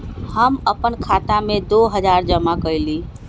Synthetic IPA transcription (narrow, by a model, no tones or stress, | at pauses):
həməpənkʰat̪amẽd̪oɦəd͡ʒaɾd͡ʒəmakəjli